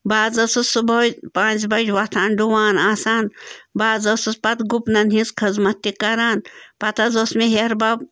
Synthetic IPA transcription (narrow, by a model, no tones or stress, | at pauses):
baːzɐsɨsubopãːzbɐd͡ʒʲʋɐt̪ʰaːnɖuwaːnaːsaːnbaːzɐsɨspɐt̪ɡupnɐnɦĩzkʰɐzmɐt̪ːikɐɾaːnpɐt̪ɐzosmeɦeɾbab